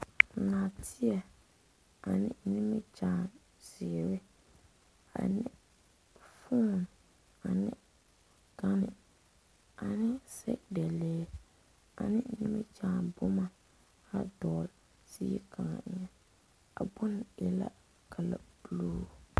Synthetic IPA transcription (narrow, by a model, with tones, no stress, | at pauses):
na˨tʰɪ˦ɛ˨ | a˨nɪ̰˦nɪ˦mɪ˦t͡ʃaː˦˨ | zɪ˨ɾɪ˦ | a̰˨nɪ˦ | fu˦˨n | a˨nɪ˦ | ka˦nɪ˨ | a˨nɪ˦sɛ̰˦da˨leː˦ | a̰˨nɪ˦nɪ˦mɪ˦t͡ʃaː˨bʊ˦ma˨ | ha˦dɔː˨l | siː˦i˦ka˨ŋa̰˨ʔɲɛ˦ | a̰˨bʊ˦n˨ɪ˦la̰˦ | kʰa˨la̰˨b̥loː˦˨